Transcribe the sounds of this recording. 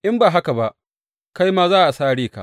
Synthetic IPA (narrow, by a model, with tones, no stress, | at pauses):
ʔɪ˦mbaː˨ɦa˦ka˨ba˦ʔ | ka˦jmaː˦zaː˦ʔa˨saː˦ɽiː˦ka̰˨ʔ